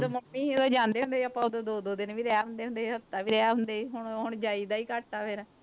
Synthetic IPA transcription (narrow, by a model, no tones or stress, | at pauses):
d̪oːməmːiːod̪õːd͡ʒãːnd̪eːɦʊ̃nd̪eːəpãːʊd̪oːd̪oːd̪oːd̪ɪnʋiːɾɛaːɦʊ̃nd̪eːɦʊnd̪eːɦət̪ːaːʋiːɾɛaːɦʊnd̪eːiɦʊɳɦʊɳd͡ʒaːiːd̪aːiːkaʈ̚t̪aːʋeːɾaː